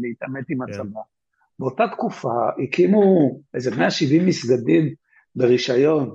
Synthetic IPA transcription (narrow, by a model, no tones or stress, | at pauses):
leit̪ametimat͡sama | beotat̪kufaikʰimuezemeaʃivimːisɡadim | beʁiʃajo̞n